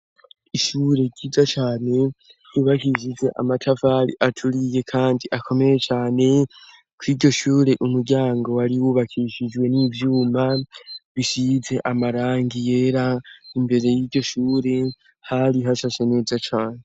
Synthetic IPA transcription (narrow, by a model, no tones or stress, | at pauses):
iʃuɾe̞ɡɟiːzat͡ʃaːne̞ | juːβakiʃize̞ʔa̰matʰavaɾḭʔatʰuɾije̞kʰaːndiʔakʰo̞me̞je̞t͡ʃaːne̞ | kwiːɟo̞ʃuːɾe̞ʔumuɾɟaːŋɡo̞waɾiwuβakʰiʃid͡ʒɡwe̞nivjuːmaβiʃize̞ʔamaɾaːŋɡije̞ɾaimbe̞ɾe̞jiːɟo̞ʃuːɾe̞ | haɾiɦaʃaʃeneːzat͡ʃaːne